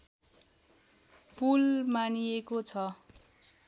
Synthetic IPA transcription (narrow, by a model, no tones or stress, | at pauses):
pulmanijekot͡sʰʌ